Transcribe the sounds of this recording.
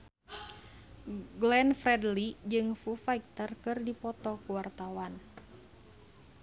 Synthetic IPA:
ɡlɛnfrɛdlid͡ʒɨŋfufaik̚t̪ərkɨrdipɔt̪ɔkuwart̪awan

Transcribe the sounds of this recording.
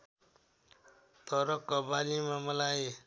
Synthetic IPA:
t̪ʌɾʌkːɔbalimamʌlaje

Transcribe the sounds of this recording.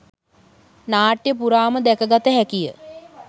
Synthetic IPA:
naːʈjəp̬uɾaːməd̪ækəɡat̪əɦækijə̰

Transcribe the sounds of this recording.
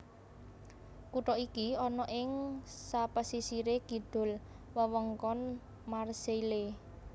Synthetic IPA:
kuʈɔikiɔnɔʔɪŋsapəsisiɾekid̪̥ʊ̤l | wəwəŋkɔn | marseile

